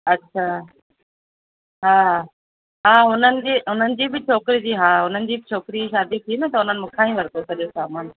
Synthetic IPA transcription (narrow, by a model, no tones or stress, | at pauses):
ɐtːɕʰaː | ɦaː | ɦaːɦʊn̤ənɪ̆d͡ʑiːʊn̤ənɪ̆d͡ʑiːbɪt͡ɕʰoːkɪɾid͡ʑiːɦaːʊn̤ənɪ̆d͡ʑiːbɪt͡ɕʰoːkɪɾiʃaːd̪it̪ʰimẽt̪ɐʊnənɪ̆mɪkʰaːĩʋɐɾt̪osʰɐɗijosaːmaːn